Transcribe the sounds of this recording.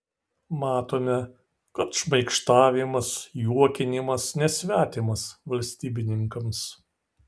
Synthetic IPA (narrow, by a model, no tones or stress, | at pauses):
mɑːt̪oːmʲɛ | kɐt̪ʃmɐɪkʃt̪ɑːʋʲɪmɐsjuɔkʲɪnʲɪmɐsnʲɛsʲʋʲæːt̪ʲɪmɐsʋɐlʲsʲt̪ʲiːbʲɪnʲɪŋkɐms